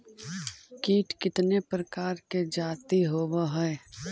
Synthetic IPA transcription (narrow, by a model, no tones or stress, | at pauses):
kiːʈkɪt̪nepɾəkaːɾked͡ʒaːt̪iɦoːbaɦɛː